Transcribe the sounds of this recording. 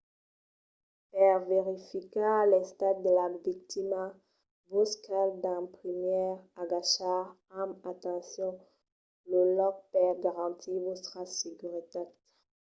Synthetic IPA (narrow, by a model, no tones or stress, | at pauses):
pɛʁveʁifikalɛst̪ad̪̚ːəlavik̚t̪ima | voskald̪ɛ̃pχimjɛʁaɡaʃaʁ | ãmat̪ɑ̃sjɔ̃ | ləlɔk̚pɛʁɡaʁɑ̃t̪ʰivostχasiɡyʁit̪at̪